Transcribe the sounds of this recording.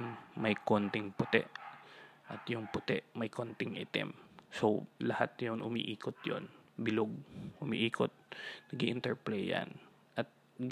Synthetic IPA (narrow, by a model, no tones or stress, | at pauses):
mmɐjkont̪ɪŋpʊt̪ɛ̰ʔ | ʔɐt̪jʊŋpʊt̪ɛʔmɐjkʰont̪ɪŋʔɪt̪ɪ̰msowlɐhat̪jʊŋʔʊmḭːʔiːkot̪̚jo̰nbɪloɡ̚ʔʊmḭʔiːkot̪̚nɐɡiʔɪnt̪ɛɹplɛjɐ̰n | ʔɐt̪̚